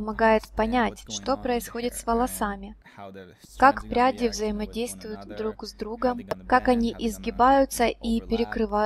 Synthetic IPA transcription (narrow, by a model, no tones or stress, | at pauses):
mɐɡajɪt̪pɐnʲætʲʂt̪o̞pɾəɪsxo̞dʲɪt̪svəlˠɐsamʲɪ | kakpɾʲadʲɪvzəjɪmɐdʲejst̪vʊjʊt̪d̪ɾukzd̪ɾuɡəmkakɐnʲiʔɪzɡʲɪbajʊt̪səʔipʲɪɾʲɪkɾɨva